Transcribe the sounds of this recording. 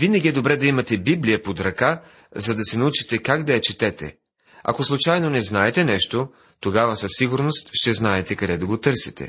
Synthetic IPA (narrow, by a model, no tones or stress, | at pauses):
vinɐɡʲiɛd̪obɾɛd̪ɐimɐt̪ɛbiblijɐpod̪ɾɐka | zɐd̪ɐsɛnɐut͡ʃit̪ɛkaɡd̪ɐjɐt͡ʃit̪ɛt̪ɛ̰ | ɐ̰koslˠʊt͡ʃajnonɛznaɛt̪ɛnɛʃt̪o | t̪oɡavɐsɐsːiɡʊɾnost̪ʃt̪ɛznaɛt̪ɛkɐd̪ɛd̪ɐɡot̪ɤɾsi̥t̪ɛ̰